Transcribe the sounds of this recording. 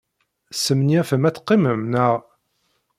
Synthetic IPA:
səmniæfəmæt͡sːqːiməmnəʁ

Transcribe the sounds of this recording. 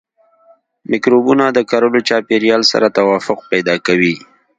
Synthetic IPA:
mɪkɾobunad̪əkaɾolot͡ʃɑpeɾijɑlsa̰ɾat̪awɑfʊq̚pajd̪ɑkawi

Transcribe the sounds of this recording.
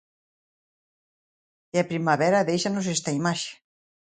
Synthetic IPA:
eapɾimaβɛɾaðejʃanos̬ɛst̪aimaʃe̥

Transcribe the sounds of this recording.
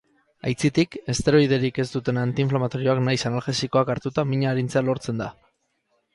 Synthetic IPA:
a̰jt͡sit̪ike̞st̪e̞ɾo̞ið̞e̞ɾike̞st̪ut̪e̞nant̪iɱflamat̪o̞ɾio̞aknajsanalxe̞siko̞akaɾt̪ut̪amiɲaːɾint͡sealo̞ɾt͡se̞nd̪a

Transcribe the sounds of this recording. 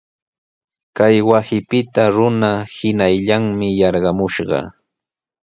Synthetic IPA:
kajwasɪpɪt̪aɾʊnahɪnajʎaŋmɪjɑɾɢɑmʊʃɢɑ̰

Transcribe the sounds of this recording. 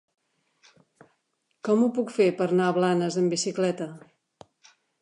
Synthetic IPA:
kɔmupukfepəɾnaəβlanəzəmbisiklɛt̪ə

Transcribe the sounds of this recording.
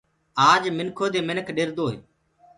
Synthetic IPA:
aːd͡ʒmɪnkʰoːd̪eːmɪnəkʰɗɪɾd̪oːɦḛː

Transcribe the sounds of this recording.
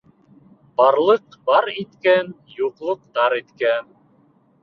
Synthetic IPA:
b̥ɑɾlˠɤqbɑɾit̪kæn | juqlˠɤq̚t̪ɑɾit̪kæn

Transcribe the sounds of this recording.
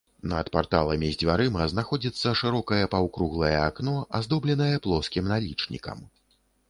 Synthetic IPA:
nɐt̪part̪a̰lˠɐmʲizʲd͡zʲvʲaɾɨmɐznaxɔd͡zʲit̪sːɐʂɨɾɔkɐjɐpɐwkɾuɣlˠɐjɐaknɔʔazd̪ɔblʲɛn̪ɐjɐplˠɔskʲimnalʲit͡ʂnʲḭkɐ̰m

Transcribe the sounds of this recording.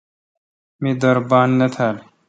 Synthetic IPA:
mid̪ɐɾbaːnːet̪ʰal

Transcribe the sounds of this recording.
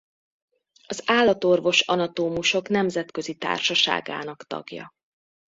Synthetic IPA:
ɒzaːlːɒt̪o̞rvo̞ʃɒnɒt̪oːmuʃo̞kn̪ɛmzɛt̪kø̞zit̪a̰ːrʃɒʃa̰ːɡa̰ːnɒkt̪ɒ̰ɡjɒ̰

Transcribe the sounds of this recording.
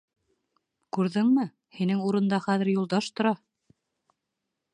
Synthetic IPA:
kʉɾðɘŋmɘ | hinɘŋuɾɤ̆nd̪ɑχæðɘ̆ɾjulˠd̪ɑʃt̪ŏɾɑ

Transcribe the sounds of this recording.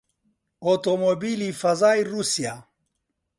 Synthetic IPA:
ot̪omobilifɐzaːjɾusia

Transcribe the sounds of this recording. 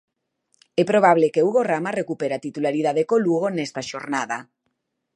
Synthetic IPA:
ɛpɾoβ̞aβ̞lekeuɣoramarekupeɾat̪it̪ulaɾið̞aðekoluɣ̞onɛst̪aʃoɾnaða

